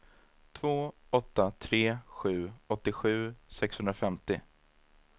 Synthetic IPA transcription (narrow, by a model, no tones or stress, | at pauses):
t̪ʰvoːɔt̪ːat̪ʰɾeːɧʉ̟ːɔt̪ːɪɧʉ̟ːsɛkshɵnd̪ɾafɛmt̪ɪ